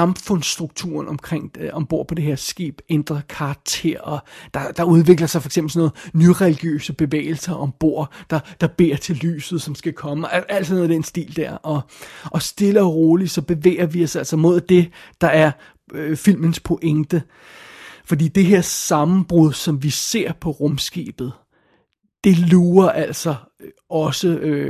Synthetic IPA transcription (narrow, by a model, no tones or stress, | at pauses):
ɑ̈mfɔ̽n̰sd̥ʁuɡ̥̚t͡sʰṵɐnɒmkʰʁeŋ̰ɒ̽mb̥o̝ɐ̰pʰɒ̽d̥e̝ɦeɐ̰sɡ̥ḛːb̥end̥ʁɐkʰɑ̈t͡sʰe̝ɐ̰ɒ̽d̥ɑ̈d̥ɑ̈uð̞ˠʋe̝ɡ̥lɐsɑ̈fɒɐe̥ɡ̥semb̥l̩snoːð̩ˠnyʁɛliɡ̥jø̰ːsəb̥e̝ʋḛːɪl̩sɐʔɒ̽mb̥o̝̰ɐ̰d̥ɑ̈d̥ɑ̈b̥e̝̰ɐt͡sʰe̝lly̰ːsð̞̩ˠsɒ̽msɡ̥ækʰɒ̽məææl̰d̥snoːðˠd̥ensd̥ḭːld̥æɐ̰ɒ̽ʔɒ̽sd̥e̝lɐʁo̝ːlisɒ̽b̥e̝ʋḛːɐʋiɒ̽sæl̰sɒmo̝ð̞̰ˠd̥e̝d̥ɑ̈æɐ | fil̰mənspʰo̝ʔeŋd̥ə | fɒ̽d̥ḭːd̥e̝ɦe̝ɐ̰sɑ̈mn̩b̥ʁuð̞ˠsɒ̽mʋise̝ɐ̰pʰɒ̽ʁɔmsɡ̥ɛ̰ːb̥ð̞̩ˠ | d̥e̝luːɐʔæl̰sɒ̽ | ɒ̽sə